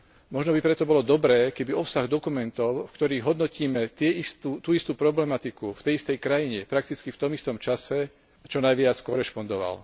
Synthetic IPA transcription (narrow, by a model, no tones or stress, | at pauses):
mɔʒnɔbipɾɛt̪ɔbɔlɔd̪ɔbɾɛːkɛbiɔpsaɣd̪ɔkumɛnt̪ɔʊfkt̪ɔɾiːɣɦɔd̪nɔciːmɛt̪ɪɛist̪ut̪uːist̪uːpɾɔblɛmat̪ikuft̪ɛjist̪ɛjkɾajiɲɛpɾakt̪it͡skift̪ɔmist̪ɔmt͡ʃasɛ | t͡ʃɔnajʋɪat͡skɔɾɛʃpɔnd̪ɔʋa̰l